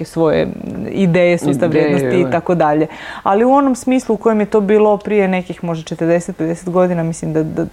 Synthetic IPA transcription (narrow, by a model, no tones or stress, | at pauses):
esʋo̞jḛḭd̪eːjesust̪aʋɾjeːd̪osiːt̪akod̪aʎe̞aliuo̞nomsmiːslˠuukojemjet̪o̞ːbiːlo̞pɾijene̞kixmo̞ʒd̪at͡ʃet̪ərd̪eset̪̚ped̪eset̪ɡo̞d̪inamislimd̪ad̪a